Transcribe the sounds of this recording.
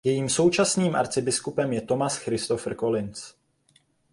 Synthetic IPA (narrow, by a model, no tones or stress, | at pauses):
jɛjiːmso̞wt͡ʃasniːmʔa̰ɾt͡sɪbɪskupɛmjɛt̪o̞masxɾɪst̪o̞fr̩ko̞lɪnt͡s